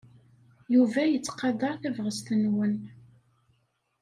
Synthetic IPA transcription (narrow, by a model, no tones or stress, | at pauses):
juvæjət͡sːqɑd̪ɑɾθævʁəst̪ənwən